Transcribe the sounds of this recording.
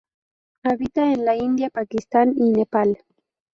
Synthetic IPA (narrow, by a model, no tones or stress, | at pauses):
aβit̪aenlaind̪japakist̪aninepal